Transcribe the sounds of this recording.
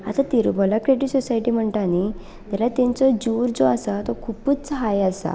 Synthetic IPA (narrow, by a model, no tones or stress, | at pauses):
at̪at̪iɾbɔlakɾeʈisɔsaiʈim̤əɳʈani | t̪alat̪ɛ̃ɲt͡sɔd͡ʑuːɾd͡zoasat̪ɔkʰupuːt͡st͡sɦajasa̰